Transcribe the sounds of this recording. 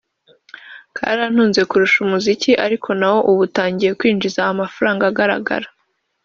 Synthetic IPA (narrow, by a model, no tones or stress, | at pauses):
kʰa̰ɾan̥huːnze̞kuɾuʃumuziciʔaɾikʰo̞nawo̞ʔuβutaːɲɟije̞kwiːnd͡ʒizaamafaɾaːŋɡaːɡaɾa̰ɡa̰ɾḁ